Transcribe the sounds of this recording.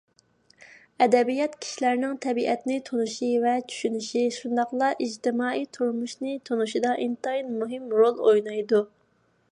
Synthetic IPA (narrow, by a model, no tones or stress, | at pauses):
ɛd̪ɛbijɑt̪kʲʰi̥ʃilæɾnɪŋt̪ʰɛbiʔɛt̪nɪt̪ʰonuʃivɛt͡ʃʰy̥ʃynyʃiʃund̪ɑqlˠɑʔid͡ʒt̪ɪmɑːijt̪ʰuɾmuʃnɨt̪ʰonuʃid̪ɑʔint̪ɑinmuɦɨmɾolˠojnɑjd̪u